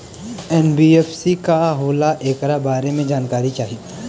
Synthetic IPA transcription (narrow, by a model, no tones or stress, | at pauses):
ɛːnbieːfsikaɦoːlaʔeːkɾabaːɾemẽd͡ʒaːnkaːɾit͡ʃaːɦi